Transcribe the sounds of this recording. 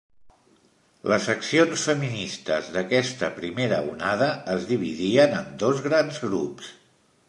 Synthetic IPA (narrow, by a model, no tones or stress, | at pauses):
ləsəksionsfəminist̪əzðəkɛst̪əpɾimeɾəṵnaðəəzðiβ̞iðiənənd̪ozɣɾanzɣɾups